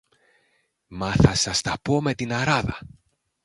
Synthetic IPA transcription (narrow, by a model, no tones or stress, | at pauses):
mɐθɐsɐst̪ɐpo̞me̞t̪inɐɾɐðɐ̰